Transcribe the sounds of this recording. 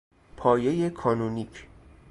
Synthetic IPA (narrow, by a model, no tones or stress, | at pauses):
pʰɒːje̞jekʰɒːnunikʰ